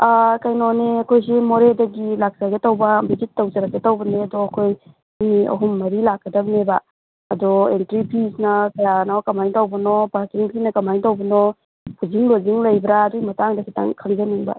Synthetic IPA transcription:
akajnoneɐkʰojsimoɾedɐɡilak̚saɡetawbɐbizitːawzɐɾaɡetawbɐneɐdɔɐkʰoj | miɐ̰ɦumːɐɾilak̚ːɐdɐbneba | ɐdɔentɾipʰisnɐkɐjanɔkɐmajŋtawbɐnɔbaɾkiŋpʰinɐkɐmajŋtawbɐnɔ | kʰuziŋloziŋlɐjbɾaːdɔɡimɐtaŋdɐkʰita̰ŋkʰaŋzaniŋba̰

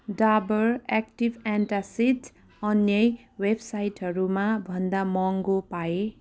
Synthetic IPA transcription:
ɖabʌrɛkʈibɛnʈasit̪ | ʌnjʌj | websajʈɦʌɾumabʱʌnd̪amʌŋɡopae

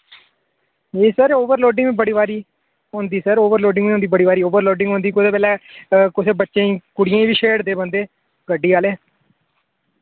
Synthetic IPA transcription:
eːsəɾoːʋəɾloːɖɪŋɡʋĩːbəɽiːʋaːɾiː | ɦõːnd̪iːsəɾoːʋəɾloːɖɪ̃ŋɡiːõːnd̪iːbəɽiːʋaːɾiːoːʋəɾloːɖɪ̃ŋɡɦõːnd̪iːkʊd̪eːpɛːlɛːkʊseːbətːʃẽːĩːkʊɽɪjãːĩːʋiːʃeːɽd̪eːbənd̪eː | ɡəɖːiːaːleː

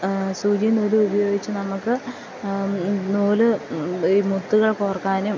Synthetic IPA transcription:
suːd͡ʑijɐnuːlɨubɐjo̞ːɡit͡ɕːɨnɐmukːɨ | nuːlɨimut̪ːuɣɐɭkoːrɐkːaːnum

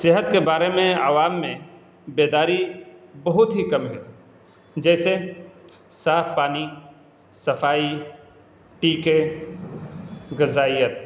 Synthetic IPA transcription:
sɪɦət̪kebaːɾemẽaːʋaːmːẽ | beːd̪aːɾibɐɦʊt̪ɦikɐmɦɛ̰ | d͡ʒɛːse | saːfʰpaːni | sɐfʰaːi | ʈiːke | ɡɐzaːijət̪̚

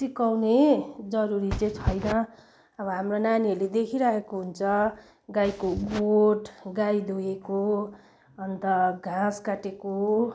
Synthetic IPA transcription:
sikawned͡zʌɾuɾit͡sẽt͡sʰʌjnʌ | ʌbʌɦamronaniʌled̪ekʰiɾaekoɦunt͡sʰʌ | ɡajkoɡoʈɡajd̪ʱoeko | ʌnt̪ʌɡʱãskaʈeko

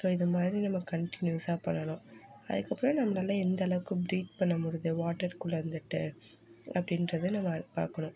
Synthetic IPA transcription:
soːɪðɐmaːd̪ɾinɐmːɐkɐɳʈɪnjusaːpɐɳːɐnʊ̃ɐ̰ðɯkːɐpːɯɾõnɐmːɐnaːlɐ̃ːɛnd̪ɐɐɭɐʋɯkːɯ̃bɾiːt̪pɐɳːɐmʊɽɯðɯʋaːʈːɐɾkʊɭɐɾnd̪ɯʈːɯ | ɐpːɐɽɪnɾɐðɯnɐmːɐpa̰ːɾkɐɳʊ̃

